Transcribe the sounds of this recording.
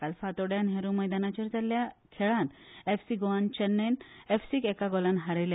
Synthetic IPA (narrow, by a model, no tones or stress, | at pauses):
kalfat̪oɽjanɦeɾuːməjd̪anat͡ɕəɾt͡s̪əlːjakʰeɭãnefsiɡoʋant͡ɕənːenefsiːkekaɡolanɦaɾel